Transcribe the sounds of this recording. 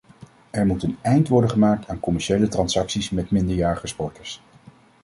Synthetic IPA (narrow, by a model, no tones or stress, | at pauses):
ɛɹmutənɛjntʋɔɹdəχəmaːk̚tʰaːnkɔmɛɹʃejlətrɑnsɑksismɛtmɪndəɹjaːɹəχəspɔɹtəɹs